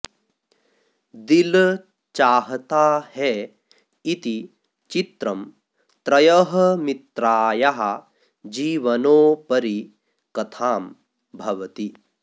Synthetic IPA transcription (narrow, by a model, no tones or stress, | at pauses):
d̪il | t͡ʃaːɦɐt̪aːhɛ | it̪i | t͡ʃit̪ɾɐm | t̪ɾɐjɐɦɐmit̪ɾaːjɐɦɐ | d͡ʒiːʋɐnoːpɐɾi | kɐt̪ʰaːm | bʱɐʋɐt̪i